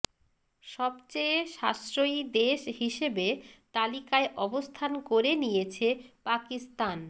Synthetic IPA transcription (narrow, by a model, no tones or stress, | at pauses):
ʃɔbt͡ɕeeʃasɾojd̪eʃɦiʃebet̪alikaeʔɔbost̪ʰankoɾenijet͡ɕʰepakist̪an